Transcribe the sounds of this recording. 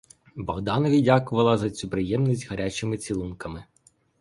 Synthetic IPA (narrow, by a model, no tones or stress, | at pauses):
bɔɣd̪ɑnɔʋʲidʲakʊʋɐlˠɐzɐt͡sʲupɾɪjɛmnʲisʲtʲɦɐɾʲat͡ʃɪmɪt͡sʲilˠunkɐmɪ